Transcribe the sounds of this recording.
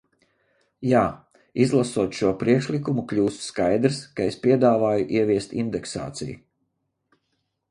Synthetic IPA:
jaː | izlˠasuɔt̪ʃuɔpɾiɛkʃlˠikumukʎʲuːsskajd̪ɾskaespʲiɛd̪aːvaːjuʔiɛvʲiɛst̪ind̪ɛksa̰ːt̪sḭjṵ

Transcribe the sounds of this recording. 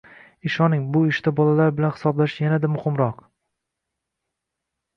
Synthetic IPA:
ɪʃɒnɪŋbʊɪʃt̪abɒlalaɾbɪlanhɪ̥sɒblaʃɪjanad̪amʊhɪmɾɒq

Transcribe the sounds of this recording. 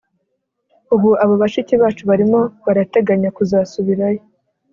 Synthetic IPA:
uβuaβaβaʃiciβaːt͡ʃuβaɾimo̞βaɾate̞ɡaɲakuzaːsuβiɾajo

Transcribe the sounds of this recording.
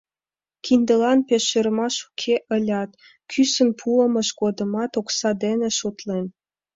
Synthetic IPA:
kʰind̪əlɑnpeʃeɾəmɑʃu̥kʰeʔəlʲɑt̪ | kʰysənpʰuəmə̆ʃɡod̪ə̆mɑt̪oksɑd̪eneʃot̪len

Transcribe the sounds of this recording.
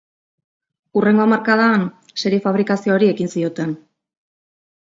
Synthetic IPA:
ure̞ŋɡo̞maɾkaðan | se̞ɾiefaβ̞ɾikasioːɾie̞kinsio̞t̪e̞n

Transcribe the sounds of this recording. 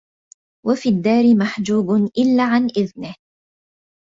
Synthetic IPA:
wafiːd̪ːaːɾɪmaħd͡ʒuːbnʔɪlːaːʕanʔɪðnɪh

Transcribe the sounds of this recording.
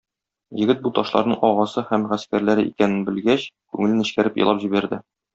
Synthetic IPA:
jɘ̆ɡɘt̪̚but̪ɒʃlˠɑ̰ɾnɤɴʔɒʁɑsɤhæmʁæskæɾlæɾɘʔḭkænɘnbɘ̆lɡæɕkʉŋɘ̆lɘnɘ̆ɕkæɾɘpjɤ̰̆lˠɑpʑibæɾd̪ɘ

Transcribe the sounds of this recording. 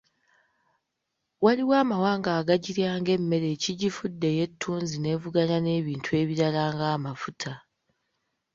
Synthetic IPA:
waliwaːmawaːŋɡaːɡaɟiɾjaːŋɡe̞mːe̞ɾe̞ːciɟifudːe̞je̞tʰːuːnzine̞ːvuɡaɲane̞ːβiːntʰue̞ːβiɾalaːŋɡaːmafutʰa

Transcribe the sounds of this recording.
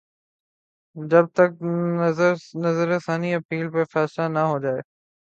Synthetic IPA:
d͡ʒɐb̚t̪ək̚ | nɐzəɾesaːniɐpiːlpefɛːslanɐɦod͡ʒaːeː

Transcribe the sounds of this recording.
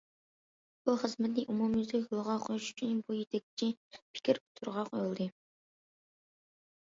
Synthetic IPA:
b̥uχəzmɛt̪nɪʔumumjyzɪxʊlˠʁɑqʰojuʃy̥t͡ʃʰynbujet̪ʰɛk̚t͡ʃʰipʰi̥kʲʰɪɾʊ̥t̪ʰʊɾʁɑqojlˠd̪ɨ

